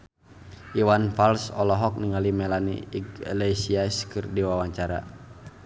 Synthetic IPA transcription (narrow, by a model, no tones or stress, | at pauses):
ʔiwanfalsɔlɔɦɔk̚niŋalimɛlanḭːɡlɛsiaskɨrdiwawaɲt͡ʃaɾa̰